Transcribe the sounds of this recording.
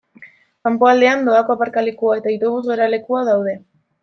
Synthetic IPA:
kampo̞ald̪e̞and̪oako̞apaɾkalekuae̞t̪ait̪o̞βuzɣeɾale̞kuaðawðe̞

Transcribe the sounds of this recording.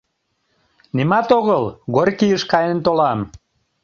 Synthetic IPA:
nimɑt̪oɣəlɣorʲkijəʃkɑjent̪olɑm

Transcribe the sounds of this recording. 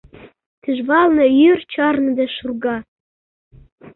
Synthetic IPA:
t̪yʒβɑlˠnɤ̆jyrt͡ɕɑrnɤ̆d̪eʃurɡɑ

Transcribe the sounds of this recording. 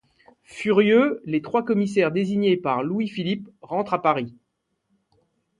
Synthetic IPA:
fyʁjølet̪χwakɔmis̬ɛʁd̪eziɲepaʁlwifilipʁɑ̃t̪χapaʁi

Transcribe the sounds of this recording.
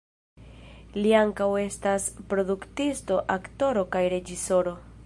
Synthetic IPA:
liaŋkawe̞staspɾo̞duktisto̞ʔakto̞ɾo̞kajɾe̞d͡ʒiso̞ɾo̞

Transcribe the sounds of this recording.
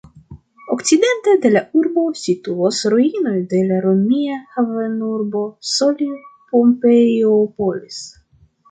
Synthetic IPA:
okt͡sid̪e̞nt̪ad̪e̞lauɾbo̞sit̪uosɾoino̞jd̪e̞laɾomiahavenuɾbo̞solipompejopolis

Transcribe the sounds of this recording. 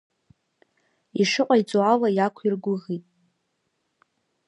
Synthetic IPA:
iʂɨqʷʼait͡sʼualajakʷʰirɡʷʊʁitʼ

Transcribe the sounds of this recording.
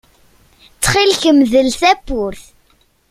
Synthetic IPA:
t͡sːχilçəmðəlθæpːʊɾθ

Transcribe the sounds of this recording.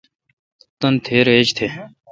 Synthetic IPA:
t̪ɐnt̪ʰeːɾeːt͡ʃt̪ʰe

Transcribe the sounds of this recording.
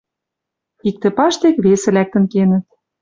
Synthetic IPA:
ik̚t̪ĕpɑʃt̪ekβesĕlæk̚t̪ə̆nkenə̆t̪̚

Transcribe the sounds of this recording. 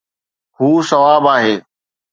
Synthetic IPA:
huːsɐʋaːbaːɦeː

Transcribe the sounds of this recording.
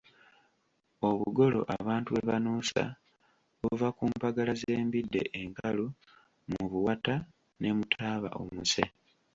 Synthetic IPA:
o̞βuɡo̞lo̞̰ʔaβaːntuβe̞βanuːsa̰ | βuvakuːmpaɡalaze̞ːmbidːe̞̰ʔeŋkalu | muβuwata | ne̞mutʰaːβa̰ʔo̰muse

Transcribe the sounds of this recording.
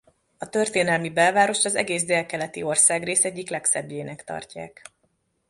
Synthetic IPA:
ɒt̪ø̞rt̪eːnɛlmibɛlvaːɾo̞ʃt̪ɒzɛ̰ɡeːzd̪ɛlkɛlɛt̪io̞rsaːɡreːsɛɟːiklɛksɛbjeːnɛkt̪ɒ̰rcaːk

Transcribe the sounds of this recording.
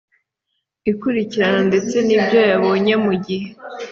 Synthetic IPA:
ikuɾiciɾanonde̞t͡se̞nibɟo̞jaβoːɲe̞muɟihe̞

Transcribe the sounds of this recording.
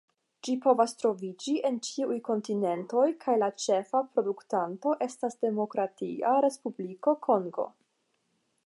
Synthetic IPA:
d͡ʒipo̞vastɾo̞vid͡ʒiʔe̞nt͡ʃiujko̞ntine̞nto̞jkʰajlat͡ʃe̞fapɾo̞duktanto̞ʔe̞stasde̞mo̞kɾatiaɾe̞spubliko̞kʰo̞ŋɡo̞̰

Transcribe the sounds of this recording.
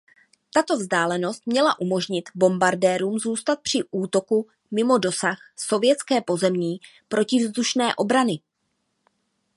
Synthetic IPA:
t̪at̪o̞vzdaːlɛno̞st̪̚mɲɛlaʔumo̞ʒɲɪt̪bo̞mbaɾdɛːɾuːmzuːst̪at̪̚pr̝̥ɪʔuːt̪o̞ku | mɪmo̞do̞saxso̞vjɛt͡skɛːpo̞zɛmɲiː | pɾo̞cɪvzd̪uʃnɛːʔo̞bɾanɪ

